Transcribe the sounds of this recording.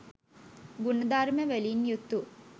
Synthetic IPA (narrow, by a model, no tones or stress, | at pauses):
ɡunɐd̪aːɾmeʋeliːnjut̪ːu